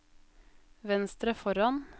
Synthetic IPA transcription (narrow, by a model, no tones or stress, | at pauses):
ʋɛnst̪ɾəfɔɾɑn